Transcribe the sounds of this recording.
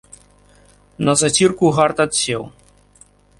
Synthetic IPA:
nɐzat͡sʲirkuɣart̪at̪sʲɛw

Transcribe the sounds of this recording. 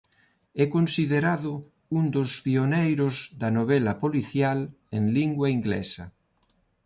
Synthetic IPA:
ɛkonsiðeɾaðo | und̪ospionejɾozðɐnoβ̞ɛlɐpoliθjal | eŋliŋɡwaiŋɡlḛsɐ

